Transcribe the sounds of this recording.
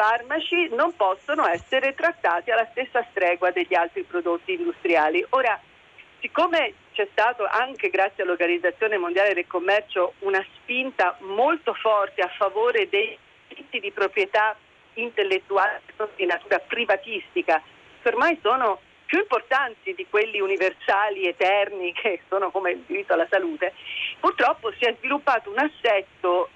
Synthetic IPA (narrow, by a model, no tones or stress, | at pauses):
farmat͡ʃinompɔsːonoɛsːeɾet̪ɾat̪ːaːt̪ialːast̪esːast̪ɾɛːɡwad̪eʎːialt̪ɾipɾod̪ot̪ːiːnd̪ust̪ɾjaːliʔoːɾa | sikːoːmet͡ʃɛst̪aːt̪oʔaŋk̟eɡɾat̪sːjialːorɡanid̪zat̪sjoːnemond̪jaːled̪elkomːɛrt͡ʃounaspint̪amolt̪ofɔrt̪eafːavoːɾed̪ej | ɾit̪ːid̪ipɾopɾjet̪a | int̪elːet̪ːuaːleekont̪od̪inat̪uːɾapɾivat̪ist̪ika | kormajsoːno | pjuimport̪ant̪id̪ikwelːiuniversaːliet̪ːɛrnikʰesːoːnokomeild̪iɾit̪ːoalːasaluːt̪epurt̪ɾɔpːosiɛzvilupːaːt̪ounasːɛsːo